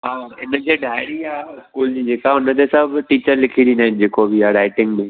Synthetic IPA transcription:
ɦaːɪnə̆d͡ʑeːɖʱaːɪɽ̃iaːɪskuːld͡ʑiːd͡ʑeːkaʊnət̪ʰesɐbʱʈiːt͡ɕəɾlɪkʰid̪ĩnd̪aːɦɪ̃n̆d͡ʑeːkobiaːɾaːɪʈɪ̃ŋɡmẽ

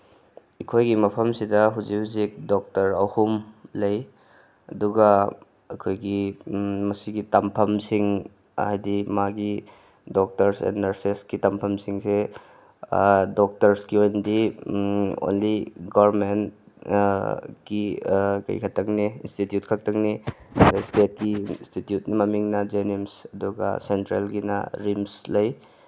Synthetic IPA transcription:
ikʰojɡimɐpʰɐmsidɐɦuzihuzik̚dok̚tɐɾɐwhumlɐj | ɐ̰duɡɐ | ɐkʰojɡimɐsiɡitɐmpʰɐmsiŋ | ɐ̰hajdimaɡi | dok̚tɐɾsḛnnɐɾseskitɐmpʰɐmsiŋse | dok̚tɐɾskiojnɐdi | o̰nliɡaɾmen | kikɐ̰jkʰɐtɐkneḭnstitjut̚kʰɐk̚tɐŋni | espet̚kistitjut̚nimɐmiŋnɐd͡ʒenimsɐduɡɐ̰sentɾelɡinɐ̰ɾimslɐj

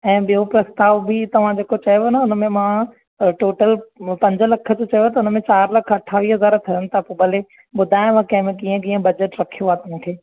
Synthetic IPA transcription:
ɛ̃ːɓijopɾɐst̪aːʋbit̪ɐʋ̤ãd͡ʑeːkot͡ɕɐjonɐʊnəmẽmã | ʈoːʈəlpɐ̃ɲd͡ʑʱəlɐkʰə̆d͡ʑot͡ɕɐjoɦaːt̪ɐʊnəmẽt͡ɕaːɾlɐkʰɐʈʰaːʋiːɦɐzaːɾt̪ʰɐɾənɪ̆t̪ʰapobɐle | ɓʊd̪ʱaːɪj̃mãkɛ̃ɦmɪ̃kiːə̃k̬iːə̃bɐd͡ʑəʈɾɐkʰijoɦaːt̪ɐʋ̤ãkʰeː

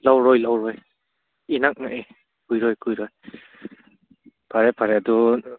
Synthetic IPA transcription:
lawɾɔjlawɾɔj | inak̚naʔe | kʰujɾɔjkʰujɾɔj | pʰaɾepʰaɾeadu

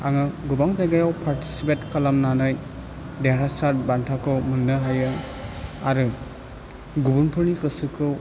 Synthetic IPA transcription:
aŋaɡubaŋzajɡajawpʰaɾti̥sipetkɐlamnanaj | deɾasaɾt̚bantʰakʰɯwmunːɯɦajɯ | aɾɯ | ɡubunpʰɯɾnikɯsɯkʰɯw

